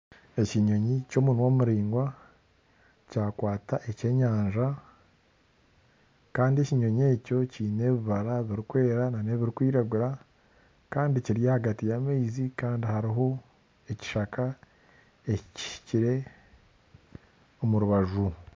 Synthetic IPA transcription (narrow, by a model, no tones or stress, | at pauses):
e̞ciɲo̞ɲico̞ːmunwo̞ːmuɾiːŋɡwa | caːkwaːtaʔece̞ːɲaːɲʒa | kaːndie̞ciɲo̞ɲe̞ːco̞cine̞βiβaɾaβiɾikwe̞ːɾanane̞βiɾikwiːɾaɡuɾa | kaːndiciɾijahaɡatijameizikaːndihaɾiɦo̞ | eci̥ʃaka | e̞cici̥ʃi̥ciɾe̞ | omuɾuβaʒu